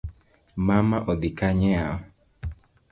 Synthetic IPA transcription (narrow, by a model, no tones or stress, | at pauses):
mamaʔɔd̪ikaɲɛawɔ